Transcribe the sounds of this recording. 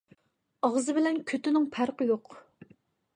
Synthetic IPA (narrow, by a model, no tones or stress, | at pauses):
ɑʁzɨbɪlɛnkʲʰøt̪ɪnɪŋpʰæɾqʰəjoq